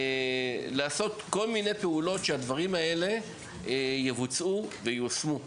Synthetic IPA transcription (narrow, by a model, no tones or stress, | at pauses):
laːso̞t̪ko̞lmine̞jpe̞ulo̞tʃead̪vaʁimae̞le̞ | jevut͡suvejusmu